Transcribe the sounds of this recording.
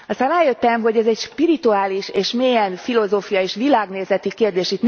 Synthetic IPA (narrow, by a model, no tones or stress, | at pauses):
ɒst̪aːnaːjøt̪ːɛmɦo̞ɟɛzɛcʃpiɾit̪uaːliʃeːʃmeːjɛnfilo̞zoːfijɒeːʃʋilaːɡneːzɛt̪ikeːrd̪eːʃit̪n